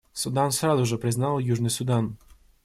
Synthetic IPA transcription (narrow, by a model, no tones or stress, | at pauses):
sʊd̪ɑnsɾɑzʊʒɛpɾɪznɑlˠjuʒnɪjsʊd̪ɑn